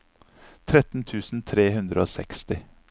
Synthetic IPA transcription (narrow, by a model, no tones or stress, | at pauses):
t̪ʰɾɛt̪n̩t̪ʰʉːsn̩t̪ʰɾeːhʉnd̪ɾəoːsɛkst̪ɪ